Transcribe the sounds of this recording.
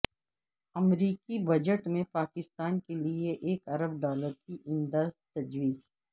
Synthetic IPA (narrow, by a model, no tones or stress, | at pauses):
ɐmɾiːkibɐd͡ʒəʈmẽpaːkɪst̪aːnkelieʔeːkɐɾəb̚ɖaːləɾkiʔɪmd̪aːd̪t̪ɐd͡ʒwiːz